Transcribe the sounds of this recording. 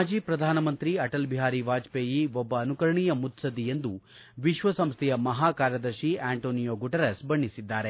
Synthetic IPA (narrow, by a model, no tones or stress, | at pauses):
ad͡ʒiːpɾɐd̪ʱaːnɐmɐnt̪ɾiɐʈɐlbiɦaːɾiʋaːd͡ʒpeːjiʋɔbːɐːnukɐɾɐɳijɐmut̪sɐd̪iend̪u | ʋiʃʋɐsɐmst̪ʰɛjɐmɐɦaːkaːɾjɐd̪ɐɾʃiaːɳʈoːnijoːɡuʈɐɾesbɐɳːisid̪ːaːɾe